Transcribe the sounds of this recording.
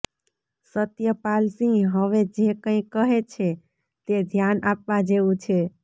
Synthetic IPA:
sət̪jəpalsĩɦəʋed͡ʒekə̃ĩkːəɦet͡ʃʰe | t̪ed̪ʱjanap̚ʋad͡ʒeʋũt͡ʃʰe

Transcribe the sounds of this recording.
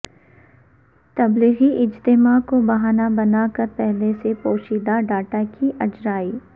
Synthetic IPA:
t̪ɐbliɣiʔɪd͡ʒt̪ɪmakobɐɦaːnabɐnaːkɐɾpɛɦlesepoːʃiːd̪aɖaːʈakiʔɐd͡ʒɾaːiː

